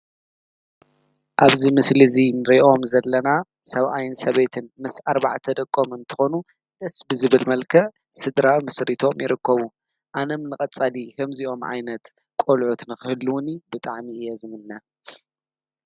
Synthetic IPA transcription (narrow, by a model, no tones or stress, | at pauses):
ʔaβzimɨslizinɨɾiʔo̞mzɐlːɐna | sɐβʔajɪnsɐβet̪ʰɨnmɨsaɾba̰ʕt̪ʰɐd̪ɐkʼːo̞mɨnt̪ʰɨ̥xo̞nu | d̪ɨsbɨzɨβɨlmɐlkʰɐ | sɨd̪ɾawmɨsɾit̪ʰo̞mjɪɾɨkːɐβu | ʔanɐmnɨkʼɐt͡sʼalikʰɐmzio̞mʕa̰jnɐt̪ | kʼolʕut̪nɨxɨhɨlːuwnibɨt̪ʼaʕmiɨjɛzɨmɨnːa